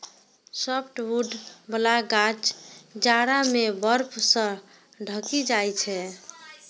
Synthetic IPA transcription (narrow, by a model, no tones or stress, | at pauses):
səpʰʈʋuɖbəlaɡãt͡ʃd͡ʒaɽamebəɾpʰsə̃ | ɖʱəkid͡ʒajt͡ʃʰɛ